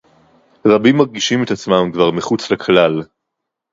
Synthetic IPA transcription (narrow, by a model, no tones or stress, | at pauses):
ʁabimːaʁɡiʃimet̪at͡smamkvaʁmiχut͡slekʰlal